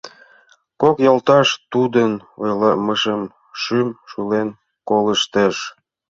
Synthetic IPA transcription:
kokjɑlt̪ɑʃt̪ud̪ənojlɑməʃəm | ʃymʃulen | koləʃt̪əʃ

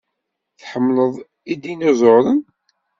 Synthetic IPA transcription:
θħəmːləðˤ | id̪inozˤoɾən

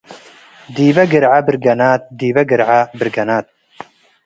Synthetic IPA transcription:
d̪iːvɐɡɨɾʕabɨɾɡɐnaːt̪̚d̪iːvɐɡɨɾʕabɨɾɡɐnaːt̪̚

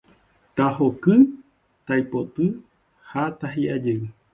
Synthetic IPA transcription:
t̪aɦokɨ | t̪ajpot̪ɨ | hat̪aɦiʔad͡ʒeɨ

